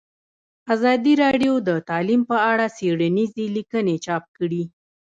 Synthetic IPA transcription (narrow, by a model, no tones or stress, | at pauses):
azɑd̪iɾɑɖjod̪ət̪ɑlimpəaɽaseɽanizelikənet͡ʃɑp̚kəɽi